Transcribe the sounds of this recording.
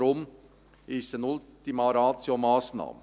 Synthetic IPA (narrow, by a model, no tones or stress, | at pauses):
ɾʊm | ɪsənʊlt̪imaɾɑːt͡siomɑːsnɑ̰ːmə